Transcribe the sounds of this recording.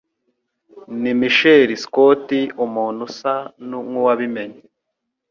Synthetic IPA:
nimiʃeɾiskotiumuːnusanuŋuwaβimeɲe

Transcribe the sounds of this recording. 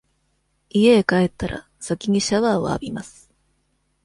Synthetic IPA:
ieːkae̞t̪ːaɾʔa̰ | sakʲiɲ̟iɕaβa̰ːa̰bʲimasɨ̥

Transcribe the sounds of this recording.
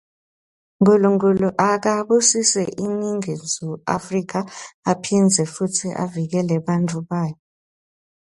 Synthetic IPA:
ŋkuluŋkʼuluʔak̬aɓusisɛʔiniŋind͡zʱua̰frik̬ʰaːpʰind͡zʱɛfutʰiʔa̰vik̬ɛlɛɓantʰʼuɓaːjɔ

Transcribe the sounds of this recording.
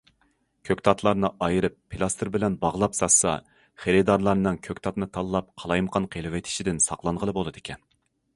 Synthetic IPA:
kʲʰøkʲt̪ʰɑt̪ʰlˠɑɾnɨʔɑjɨɾɨpʰːilˠɑst̪ʰɨɾbɪlɛnbɑʁlˠɑpsɑsɑ̰ | χeɾɨd̪ɑɾlˠɑɾnɨŋkʲʰøkʲt̪ʰɑt̪nɨt̪ʰɑlˠːɑp̚qʰɑlˠɑjmqʰɑnqʰelˠɪwɪt̪ʰɪ̥ʃid̪ɪnsɑqlˠɑɴʁəlˠɨbolˠɨd̪ɪkʲʰɛn

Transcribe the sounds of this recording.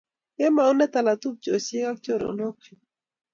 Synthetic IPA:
emaunet̪alat̪ub̚t͡ʃoseɡak̚t͡ʃoɾo̰noki

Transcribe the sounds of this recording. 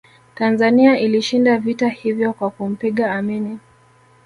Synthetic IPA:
tanzaniaʔiliʃindavitahivjɔkwakum̩piɠaːmini

